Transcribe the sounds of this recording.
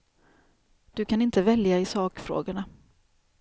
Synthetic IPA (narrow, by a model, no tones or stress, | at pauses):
d̪̥ɵkʰanɪnt̪əvɛljaɪsɑːkfɾo̰ːɡəɳa